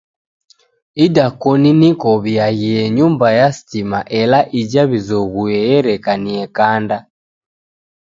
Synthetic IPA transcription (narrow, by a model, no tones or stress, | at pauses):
idakɔninikɔβiaɣiɛɲumbajasi̥timaʔɛlaʔid͡ʒaβizɔɣuɛjɛɾɛkaniɛkanda